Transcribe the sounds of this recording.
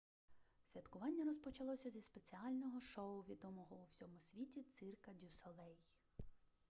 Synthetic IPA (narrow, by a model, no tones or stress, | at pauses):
sʲʋʲɐt̪kʊʋɑnʲːɐɾɔspɔt͡ʃɐlˠɔsʲɐzʲispe̞t͡sʲiɑlʲnɔɦɔʃɔʊʋʲid̪ɔmɔɦɔuwsʲɔmʊsʲʋʲitʲit̪sɪrkɐdʲusɔlˠɛj